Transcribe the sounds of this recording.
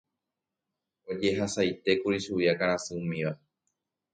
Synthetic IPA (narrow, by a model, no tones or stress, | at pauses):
o̞d͡ʒe̞ɦasajt̪e̞kuɾiʃuiakaɾ̃ãsɨmĩʋa